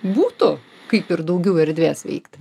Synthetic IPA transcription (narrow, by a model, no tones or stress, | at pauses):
buːt̪ʊ | kɐɪpɪɾd̪ɐʊɡʲɛʊɛɾʲd̪ʲʋʲeːsʋʲɛ̰ɪkt̪